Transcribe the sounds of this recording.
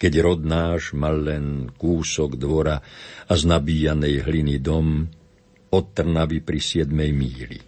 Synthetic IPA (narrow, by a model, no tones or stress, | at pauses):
kɛɟɾɔd̪naːʒmalːɛnkuːsɔɡd̪ʋɔɾaaznabiːjanɛjɦlinid̪ɔm | ɔt̪ːr̩naʋipɾisɪɛd̪mɛjmiːlḭ